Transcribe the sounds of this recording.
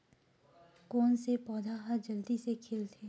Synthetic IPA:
koːnsepɔːd̪ʱaɦəɾd͡ʒɐld̪isekʰeːlt̪ʰeː

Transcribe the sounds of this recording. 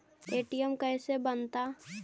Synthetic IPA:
eːʈijəmkɛːsebənt̪a

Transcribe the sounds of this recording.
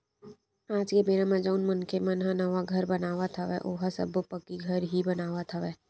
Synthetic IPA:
aːd͡ʒkemeːɾãmãd͡ʒoːnmənkʰemə̃nɦãnəʋaɡʱəɾbɐnaːʋat̪ʰaʋɛʔoːɦasə̰bopəkiɡʱɐɾɦibɐnaːʋat̪ʰaʋɛː

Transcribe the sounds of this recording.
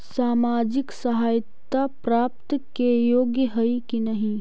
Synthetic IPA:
saːmaːd͡ʒɪksɐɦaːjt̪ːapɾaːp̚t̪kejoːɡjəɦɐikinɐɦĩ

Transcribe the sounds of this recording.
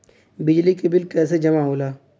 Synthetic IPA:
bɪd͡ʒlikebɪlkɛːs̬ed͡ʒɐmaɦoːlaː

